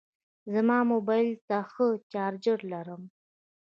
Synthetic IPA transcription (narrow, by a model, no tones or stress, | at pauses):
zamɑmobɑɪlt̪axət͡ʃɑːɾd͡ʒəɾlaɾəm